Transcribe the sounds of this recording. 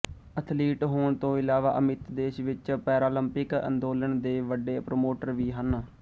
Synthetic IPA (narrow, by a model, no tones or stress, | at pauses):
ət̪ʰliːʈɦoːɳt̪õːɪlaːʋa̰ːʔəmɪt̪d̪eːʃʋɪt͡ʃpɛːɾaːləmpɪkə̰nd̪oːləɳd̪eːʋəɖeːpɾoːmoːʈəɾʋiːɦən